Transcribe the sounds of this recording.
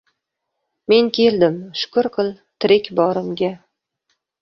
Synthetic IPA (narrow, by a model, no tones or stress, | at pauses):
me̞ŋkʲʰe̞ld̪ɪmʃʊ̥kʰʊɾqʰɨlˠ | t̪ʰɾɪkʲbɒɾɪmɡʲa